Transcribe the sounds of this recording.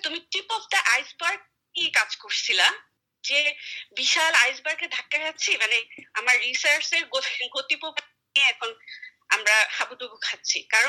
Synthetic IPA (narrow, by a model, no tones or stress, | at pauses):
t̪umiʈipɔfdaʔajsbaɾk̚ː | ikad͡ʑkoɹsʰila | d͡ʑebiʃalajsbaɾked̪ʱakːakʰatːɕʰimaneamaɹːisaɹseɾɡoɡot̪ipob | ieɛkʰon | amɾahabud̪uɡukʰatːɕʰikaɾɔ